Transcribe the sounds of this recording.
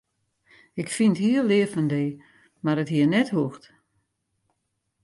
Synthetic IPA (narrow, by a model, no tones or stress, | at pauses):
ɪkfinthiːəlɪəfəndeː | maɾətɦiənɛthuəxt